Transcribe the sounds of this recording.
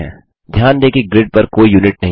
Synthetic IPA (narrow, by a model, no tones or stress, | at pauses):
ɦɛ̰̃ː | d̪ʱjaːnd̪eːkiɡɾɪɖ̚pɐɾkoːijuːnɪʈ̚nɐɦ